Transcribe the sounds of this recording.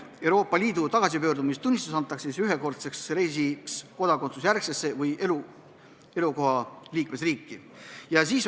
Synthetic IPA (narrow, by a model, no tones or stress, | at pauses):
e̞wɾo̞ːpːˑɑliːd̪̥ut̪ɑɡ̥ɑsipø̞ːɾd̪umist̪unʲːist̪usɑnt̪ːˑɑksisyɦeko̞rt̪se̞ksɾe̞js̬iksko̞d̪̥ɑko̞nt̪susjærksesːe̞vɯjʔelu | e̞luko̞ɦɑliːkme̞sriːkːi | jɑsiːs